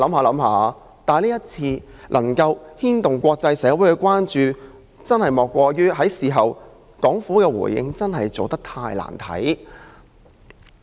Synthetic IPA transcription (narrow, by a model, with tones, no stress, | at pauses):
lɐ˨˥mhaː˨˧lɐ˨˧˥mhaː˨˧ | t̪aː˨˩jnliː˥ɐ˥t̚t͡sʰiː˧ | lʔɐ̰˨˩ŋkɐ˧whiː˥nt̪ʊ˨˩ŋkʷɔː˧k̚t͡sɐ˧jsɛː˨˧˥wuː˨˥jkɛ˧˥kʷaː˥nt͡ʃyː˧ | t͡sɐ˥nhɐ˨jmɔː˨˩kʷːɔː˧jyː˥ɦɐ˨˥jsiː˨˩ɦɐ˨w | kɔː˨˥ŋfu˨˥kɛː˧wṵ˨˩jːɪ̰˧ŋt͡sɐ˥nhɐ˨jt͡so˨wt̪ɐ˥k̚t̪ʰaː˧jla̰ː˨˩nt̪ʰɐ̰˨˥j